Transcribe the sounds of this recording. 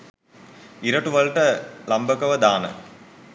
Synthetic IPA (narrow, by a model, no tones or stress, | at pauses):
iɾɐʈːuʋɐlʈɐlɐmbɐkɐʋɐd̪aːnɐ̰